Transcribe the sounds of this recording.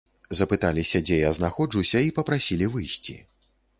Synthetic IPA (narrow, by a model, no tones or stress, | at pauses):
zɐpɨt̪alʲisʲɐd͡zʲɛjaznaxɔʐɨwsʲɐipɐpɾasʲilʲivɨjsʲt͡sʲḭ